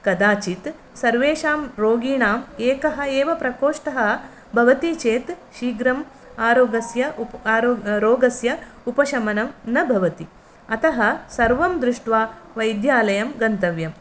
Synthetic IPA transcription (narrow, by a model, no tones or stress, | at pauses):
kɐd̪aːt͡ʃit̪ | sɐɾʋeːʃaːmɾoːɡiːɳaːmeːkɐɦɐ̆eːʋɐpɾɐkoːʂʈɐɦɐ | bʱɐʋɐt̪it͡ʃeːt̪ʃiːɡɾɐm | aːɾoːɡɐsjɐ | ɾoːɡɐsjɐ | upɐʃɐmɐnɐmnɐbʱɐʋɐt̪i | ɐt̪ɐɦɐsɐɾʋɐmd̪ɾɪʂʈʋaːʋɐjd̪jaːlɐjɐmɡɐnt̪ɐʋjɐm